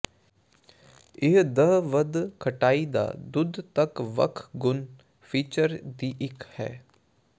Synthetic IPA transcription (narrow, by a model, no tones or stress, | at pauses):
ɪɦd̪əɦʋəd̪kʰəʈaːid̪a̰ːd̪ʊd̪t̪əkʋə̰kʰɡʊn | pʰiːt͡ʃəɾd̪iːʔɪkhɛ̰ː